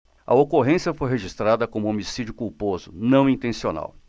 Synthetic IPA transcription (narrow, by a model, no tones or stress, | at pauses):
ɐ̰okoɦẽsiɐfojɦeʒist̪ɾad̪ɐkõmʊomisid͡ʒʊkuwpozʊnɐ̃w̃ĩnt̪ẽsiona̰w